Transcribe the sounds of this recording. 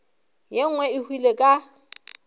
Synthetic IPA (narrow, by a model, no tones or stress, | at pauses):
jeŋ̩wɛɪhwilekʼa